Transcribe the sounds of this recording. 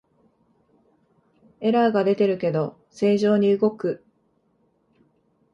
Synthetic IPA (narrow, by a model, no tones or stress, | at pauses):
e̞ɾaɡad̪e̞t̪e̞ɾɯ̟ke̞d̪o̞ | se̞ːʑo̞ːɲ̟iɯ̟ɡo̞kɯ̟